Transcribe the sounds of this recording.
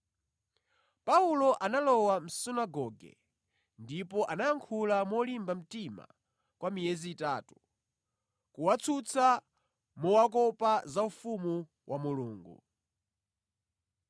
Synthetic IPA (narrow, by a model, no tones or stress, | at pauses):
paulɔʔanalɔwam̩sinaɡɔɡɛ̰ | ndipɔʔanajaŋkʰulamɔlimbam̩tima̰ | kwamijɛziːtatu̥ | kuwat͡sʰut͡sʰa | mɔwak̬ɔpazaufumu | wʔamuluːŋɡṵ